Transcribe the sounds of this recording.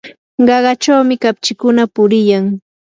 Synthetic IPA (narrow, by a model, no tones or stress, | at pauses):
ɢɑɢɑt͡ʃawmɪkapt͡ʃɪkʊnapʊɾɪjaŋ